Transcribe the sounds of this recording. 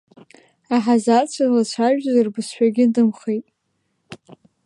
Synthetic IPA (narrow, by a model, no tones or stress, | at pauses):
aħazat͡ɕʷʰalat͡ɕʷʰaʒᶣazirbɨsħᶣaɡʲɪdɨmχejtʼ